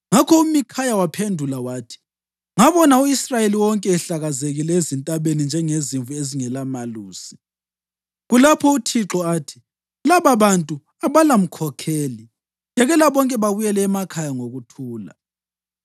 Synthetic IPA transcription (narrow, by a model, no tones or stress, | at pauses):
ŋakʰɔumikʰajawapʰendʱulawaːtʰi̥ | ŋaβɔnauisrajeliwɔŋkʼɛːɬaɣazeɣilɛezintʼaβenind͡ʒʱɛŋeziɱvueziŋɛlamaluːsi̥ | ɣulapʰɔutʰiǁɔaːtʰi̥ | laβaβantʼu | aβalam̩kʰɔkʰeːli | jɛɣɛlaβɔŋkʼɛβaβujɛlɛːmakʰajaŋoɣutʰuːla̰